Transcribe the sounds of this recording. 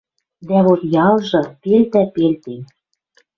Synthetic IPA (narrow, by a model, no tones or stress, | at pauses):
d̪æβot̪jɑlˠʒɤ̆pelt̪æpelt̪en